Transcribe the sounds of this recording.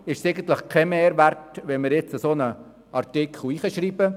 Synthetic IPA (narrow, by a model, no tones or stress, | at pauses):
ɪʃseɪɡən̩t̪ləχkʰɛmeːɾʋærtʋɛnməɾjet͡səsoːnə | ɑrtɪkʰχl̩iːχəʃɾiːbə